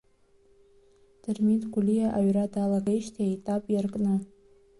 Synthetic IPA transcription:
d̥ɨrmitʼɡʷulijaʔaɥradalaɡejʃtʰiajtʼapʼjarkʼnɨ

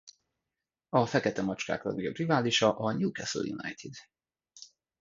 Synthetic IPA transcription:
ɒfɛkɛt̪ɛmɒt͡ʃka̰ːklɒ̰niɡbrivaːliʃɒʔɒɲuːkɛso̰ljṵna̰jt̪ʰid̪

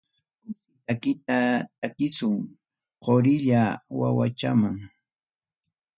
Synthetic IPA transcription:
kʊsɪt̪akɪt̪̚at̪̚akɪsʊŋ | qoɾɪʎawa̰wa̰t͡ʃamaŋ

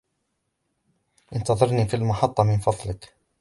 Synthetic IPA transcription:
ʔɪnt̪ɑðˤɑɾˤniːfilmʊħɑt̪ˤːɑmɪnfɑðˤlɪk

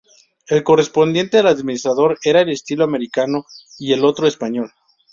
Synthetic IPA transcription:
e̞lko̞re̞spo̞nd̪jent̪e̞ðelaðminist̪ɾaðoɾe̞ɾae̞le̞st̪iloame̞ɾikano̞ie̞lo̞t̪ɾoespaɲo̞l

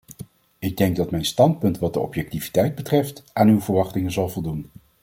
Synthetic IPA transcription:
ɪɡ̚dɛŋɡ̚dɑtmɛjnstɑnt̚pɵntʋɑt̚dəɔ̰pjɛk̚tivi̥tɛjd̚bətrɛftʔaːnywvəɹʋɑχtɪŋənzɑlˠvɔlˠdun

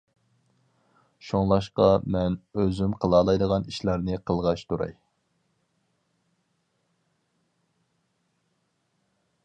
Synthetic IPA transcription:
ʃoŋlˠɑʃqɑmɛnøzymqʰəlˠɑːlˠɑjd̪əʁɑniʃlˠɑɾnɨqʰəlˠʁɑʃt̪ʰuɾɑ̰j

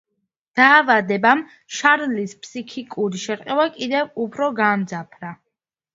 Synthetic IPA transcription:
d̪̥aːvad̪ɛbam | ʃaɾlispʰsikʰikʼuɾiʃɛɾqʼɛwakʼid̪ɛvupʰɾɔɡamd̪zapʰɾa

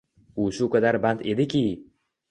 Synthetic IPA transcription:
ʊʃʊkad̪aɾbant̪e̞d̪ɪkʲʰi

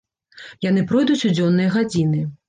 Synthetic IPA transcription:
janɨpɾɔjd̪ut͡sʲud͡zʲɔnːɨjɐɣad͡zʲinɨ

